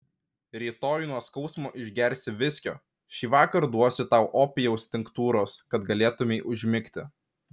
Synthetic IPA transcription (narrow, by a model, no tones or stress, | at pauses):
ɾʲiːt̪oːjʊnuɔskɒʊsmoːʔɪʒʲɡʲɛɾʲstʲɪʋʲɪsʲkʲo̰ː | ʃʲiːʋɑːkɐɾd̪uɔsʲɪt̪ɑʊʔoːpʲɪjɛʊsʲt̪ʲɪŋkt̪uːɾoːskɐt̪ɡɐlʲeːt̪ʊmʲeːʔʊʒʲmʲɪkʲt̪ʲɪ